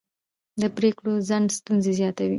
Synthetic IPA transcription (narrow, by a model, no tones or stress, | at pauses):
d̪əpɾekɽozaɳst̪unzezjɑt̪awi